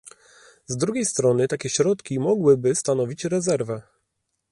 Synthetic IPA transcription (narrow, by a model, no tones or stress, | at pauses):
zd̪ɾuɡʲejst̪ɾɔnɘt̪akʲɛɕɾɔt̪kʲimɔɡwɘbɘst̪anɔvʲit͡ɕɾɛzɛɾvɛ